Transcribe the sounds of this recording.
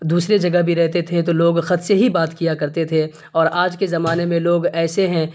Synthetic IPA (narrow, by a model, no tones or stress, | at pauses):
d̪uːsɾed͡ʒɐɡəɦbʱiɾɛɦt̪et̪ʰet̪oloːɡxɐt̪seɦibaːt̪kijakɐɾt̪et̪ʰe | ɔːɾaːd͡ʒkezɐmaːnemẽloːɡɛːseɦɛ̃